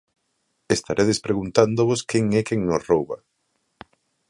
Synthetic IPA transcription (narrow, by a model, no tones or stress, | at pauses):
est̪aɾʔeðespɾeɣunt̪and̪oβoskeŋɛkeŋnosrowβa